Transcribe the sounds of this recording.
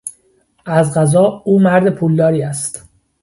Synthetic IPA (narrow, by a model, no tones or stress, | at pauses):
ʔæzɢæzɒːuːmæɾd̪epʰuːld̪ɒːɾiːæst̪